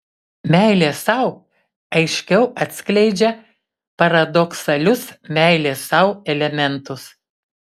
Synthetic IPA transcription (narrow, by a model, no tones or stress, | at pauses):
mʲæˑɪlʲeːsɐˑʊ | ɐɪʃʲkʲɛʊɐt̪ʲsʲkʲlʲɛɪd͡ʒʲɛ | pɐɾɐd̪ɔksɐlʲʊsmʲæˑɪlʲeːsɐʊɛlʲɛmʲɛnt̪ʊs